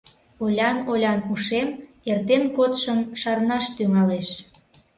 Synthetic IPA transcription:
olʲɑnolʲɑnuʃem | ert̪enkot̪ʃəmʃɑrnɑʃt̪yŋɑleʃ

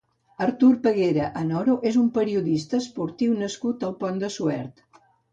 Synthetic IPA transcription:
əɾt̪uɾpəɣeɾəʔənɔɾoʔezumpəɾiuðist̪əspuɾt̪iwnəskut̪əlˠpɔnd̪əsuɛ̰ɾt̪

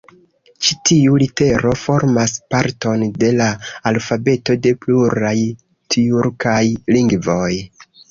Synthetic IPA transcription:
t͡ʃitiulite̞ɾo̞fo̞ɾmaspaɾto̞nde̞laːlfabe̞to̞de̞pluɾaj | tʰiuɾkajliŋɡvo̞j

